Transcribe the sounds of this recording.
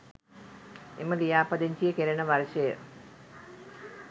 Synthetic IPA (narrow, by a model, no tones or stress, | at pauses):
ḛməlijaːpɐd̪eɲt͡ʃijəkeɾenɐʋɐɾʃɐjə̰